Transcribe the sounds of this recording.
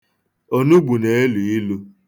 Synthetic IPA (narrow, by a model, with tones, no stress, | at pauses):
o˦nu˦ɡ͡bu˨ne˦e˦lu˨i˦lu˦